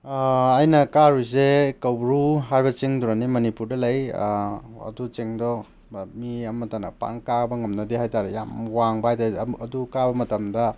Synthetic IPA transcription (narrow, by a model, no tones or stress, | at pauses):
ɐjnɐkaɾujzekɐwbɾuɦajbɐt͡ʃiŋduɾanimɐnipuɾdɐlɐj | ɐ̰dut͡ʃeŋdɔ | miɐmɐtanɐpa̰ŋkabɐŋɐmnɐdeɦajtaɾeja̰mwaŋbaajtaɐdukabɐmɐtɐmdɐ